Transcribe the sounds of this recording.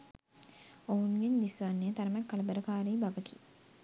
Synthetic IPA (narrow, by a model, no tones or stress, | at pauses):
oɦunɡeɲd̪isʋanːejət̪aɾəmɛkːaləbæɾəkaːɾiːbaɡəʈʰi̥